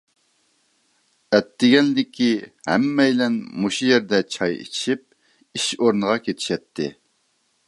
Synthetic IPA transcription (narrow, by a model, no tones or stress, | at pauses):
ɛt̪ːɪɡʲɛnlɪkʲʰihɛ̰mːɛjlɛnmuʃujɛɾd̪ɛt͡ʃʰɑjḭt͡ʃʃip̚ | iʃoɾnɨʁɑkʲʰet̪ʰɪ̥ʃɛt̪ʰːɪ̰